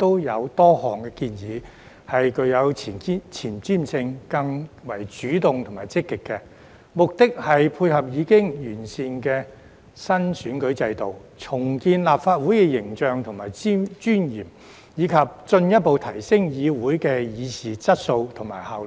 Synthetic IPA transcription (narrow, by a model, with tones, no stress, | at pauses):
t̪o˥wjɐ˨˧wt̪ɔː˥hɔː˨ŋkɛ˧kiː˧njiː˨˧ | hɐ˨jkɵ˨˧ɥjɐ˨˧wt͡sʰi˨˩n˥t͡sʰiː˨˩nt͡siː˥˩msɪ˧ŋkɐ˧ŋwɐ˨˩jt͡ʃyː˨˥t̪ʊ˨ŋt̪ʰŋmaː˨˩jt͡sɪ˥kːɪ˨kːɛ˧ | mʊ˨k̚t̪ɪ˥k̚hɐ˨jpʰuː˧jhɐ˨p̚jiː˨˧kɪ˥ŋjyː˨˩nsiː˨nkɛː˧ | sɐ˥nsyː˨˥nkɵ˨˧˥ɥt͡sɐ˧jt̪o˨wt͡sʰʊ˨˩ŋkiː˧nlaː˨p̚faː˧t̚wuː˨˥jkɛ˧jɪ˨˩ŋt͡ʃœː˨ŋt̪ʰʊ˨ŋmaː˨˩jt͡si˥mt͡ʃyː˥njiː˨˩m | jiː˨˧kʰɐ˨p̚t͡ʃɵ˧njɐ˥t̚po˨wt̪ʰɐ˨˩jsɪ˥ŋjiː˨˧wuː˨˥jkɛː˧jiː˨˧siː˨˩t͡sɐ˥t̚so˧wt̪ʰʊ˨˩ŋmaː˨˩jhaː˨w